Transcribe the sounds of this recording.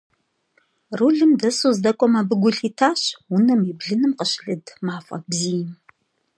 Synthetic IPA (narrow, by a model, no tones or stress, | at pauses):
ruɮɨmdɐsuːzdɐkʷʼɔmɐbɨɡʷʊɬiːtʰaːɕʊnɐmibɮɨnɨmqəɕɮɨdmaːfʼɐ̰bziːjm